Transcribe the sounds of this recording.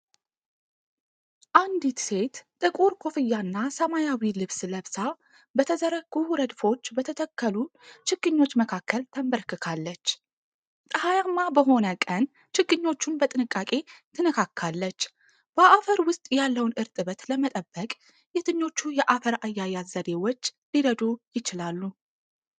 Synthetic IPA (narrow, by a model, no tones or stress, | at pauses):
ʔand̪it̪se̞t̪t̪ʼɨkʼuɾkʰo̞fɨjːanːasəmajawilɨβsləβsa | bət̪ʰəzəɾəɡuɾəd̪fo̞t͡ʃːbət̪ʰət̪ʰəkːəlut͡ʃʰɨɡɨɲːo̞t͡ʃːməkʰakːəlt̪ʰəmbəɾkɨkʰalːət͡ʃː | t̪ʼəhajamːabəɦo̞nəkʼən | t͡ʃɪɡɨɲːo̞t͡ʃːunbət̪ʼɨnɨkʼːakʼe̞t̪ʰɨnɨkʰakʰːalːət͡ʃː | b̥əʔafəɾwʊst̪ʼjalːəwnʔɨɾt̪ʼɨβət̪ləmət̪ʼəbːəkʼ | jɛt̪ʰɨɲːo̞t͡ʃːujɛʔafəɾajːajːazəd̪e̞wot͡ʃːliɾəd̪ujɪt͡ʃɪlalːu